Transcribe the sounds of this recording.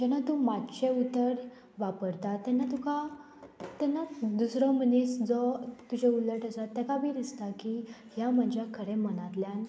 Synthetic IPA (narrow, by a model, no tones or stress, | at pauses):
d͡ʑɛnat̪umatɕeut̪ːəɾ | ʋapəɾt̪at̪ːɛnːat̪uka | t̪ɛnːad̪usɾɔmənisd͡zɔt̪ud͡ʑeuləʈəsat̪ːɛkabiːd̪ist̪aki | ɦjaməd͡ʑʱakʰəɽẽməñat̪ljan